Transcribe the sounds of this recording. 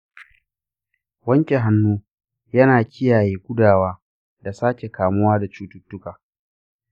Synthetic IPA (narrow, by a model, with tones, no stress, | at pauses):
wɐ˦ŋkʲe˨ɦa˦nːuː˦ | jɐ˦naː˨kʲʰɪ˦jaː˨jeː˦ɡʷʊ˦daː˨waː˦ | da˨saː˦kʲe˨kaː˨mʊ˦waː˦da˨t͡ʃuː˦tʊ˦tːʊ˦kaː˨